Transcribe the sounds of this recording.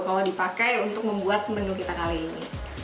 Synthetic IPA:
kalodipakajunt̪ʊk̚məmbuat̪̚mənukit̪akaliːni

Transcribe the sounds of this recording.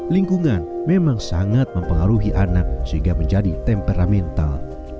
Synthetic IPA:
liŋkuŋanmemaŋsaŋat̪̚məmpəŋaɾuɦiʔanak̚səɦĩŋɡaməɲd͡ʒadit̪ɛmpeɾamɛnt̪a̰l

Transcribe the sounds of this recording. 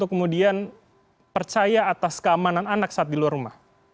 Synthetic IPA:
t̪ʊkːəmudian | pərt͡ʃajaːt̪askəamanananak̚saːt̪̚diluarumah

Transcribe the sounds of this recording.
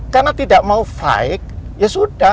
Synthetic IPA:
karnat̪idaʔmaufa̰ɪk̚jasuda

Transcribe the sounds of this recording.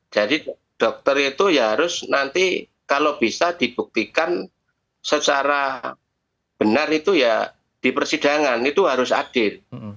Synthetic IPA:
d͡ʒ̥adi | d̥ɔk̚t̪ərit̪ujaɦɾʊsnant̪i | kalob̥isad̪̥ib̥uk̚t̪ikan | sət͡ʃaɾa | b̥ənarit̪uja | d̥ipərsid̥a̤ŋanit̪uɦaɾʊsa̰d̥ɪl

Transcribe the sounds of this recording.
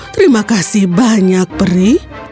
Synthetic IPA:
t̪ɾimakasɪhbaɲak̚bəɾih

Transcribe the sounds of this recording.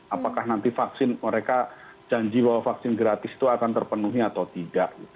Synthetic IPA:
apakahnant̪ifaksɪnməɾekad͡ʒaɲd͡ʒibawafaksɪnɡɾat̪ɪst̪uakant̪ərpənuɦiat̪awt̪idaʔɡi

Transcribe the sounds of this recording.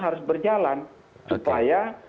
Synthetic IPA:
ɦaɾʊsbərd͡ʒalan | supaja

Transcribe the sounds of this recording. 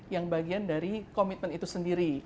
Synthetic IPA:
jaŋbaɡiandaɾikomit̪̚mənit̪usəndiɾi

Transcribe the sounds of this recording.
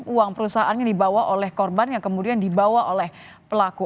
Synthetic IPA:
uaŋpəɾusaɦaʔanɲadibawaʔolɛhkɔrbanjaŋkəmudiandibawaʔolɛh | pəlaku

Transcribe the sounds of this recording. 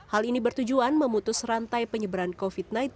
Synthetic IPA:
halinibərt̪ud͡ʒuanməmut̪ʊsrant̪ajpəɲəbəɾankofit̪̚naj̪

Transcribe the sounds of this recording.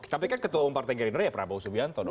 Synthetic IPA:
t̪apikankət̪uaumpart̪ɛɡɛɾinərjapəɾabausubiant̪ɔd

